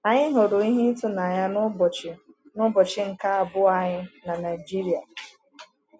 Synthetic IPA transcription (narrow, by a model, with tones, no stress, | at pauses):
a˨ɲɪ˦ɦo˨ɾʊ˨i˦ɦi˦tʊ˦na˨ɲa˦n˦˨t͡ʃɪ˨ | nʊ˦bɔ˨t͡ʃɪ˦ŋ̩˨ka˦a˨bʊ˦a˨ɲɪ˦na˨na˨i˨d͡ʒi˦ɾi˨a˨